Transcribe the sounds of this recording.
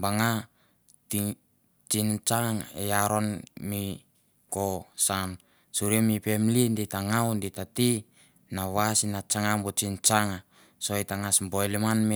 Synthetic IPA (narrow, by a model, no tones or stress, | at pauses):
baŋa | ti | t͡ʃint͡ʃaŋḛjaɾo̞nmi | kosam | suɾiemipe̞mlinditaŋawnditati | naβasinat͡ʃaŋambot͡ʃint͡ʃaŋa | sojtaŋasmbojlimanme